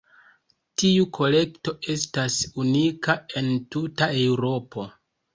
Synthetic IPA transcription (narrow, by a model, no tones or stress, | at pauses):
tiukʰo̞le̞kto̞ʔe̞stasunikae̞ntutae̞wɾo̞pʰo̞